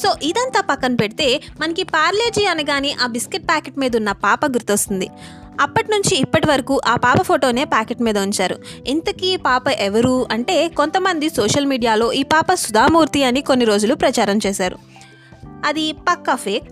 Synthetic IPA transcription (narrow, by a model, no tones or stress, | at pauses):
so̞ːʔid̪ɐnt̪aːpɐkːɐnpeɽit̪e̞ː | mɐnɐkipaːɾleːd͡ʒiːɐnɐɡaːniʔaːbiskiʈ̚paːkeʈmiːd̪unːɐpaːpɐɡuɾt̪ost̪und̪i | ɐpːɐʈinuɲt͡ʃiːpːɐʈiʋɐɾɐkuːʔaːpaːpɐpʰoːʈo̞ːne̞ːpaːkeʈmiːd̪ɐuɲt͡ʃaːɾṵint̪ɐkiːpaːpɐʔeʋɐɾuɐɳʈe̞ːko̞nt̪ɐmɐnd̪isoːʂɐlmiːɖijaːlo̞ːʔiːpaːpɐsud̪ʱaːmuːɾt̪iɐniko̞nːiɾoːd͡ʒulupɾɐt͡ʃaːɾɐmt͡ʃeːsaːɾṵ | ɐd̪ipɐkːɐpʰeːk̚